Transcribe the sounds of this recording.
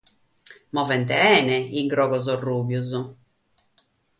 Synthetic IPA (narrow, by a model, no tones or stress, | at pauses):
mɔvɛnt̪ɛɛːnɛiŋɡɾɔːɡɔzɔruːbjuz